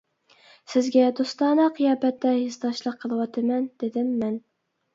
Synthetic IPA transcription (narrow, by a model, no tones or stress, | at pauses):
sɪzɡʲɛd̪ost̪ɑːnɑqʰɨjɑːbɛt̪ːɛhɪzt̪ɑʃlˠəqʰːəlˠɨwɑt̪ʰɨmɛnd̪̥ɪd̪ɪmːɛn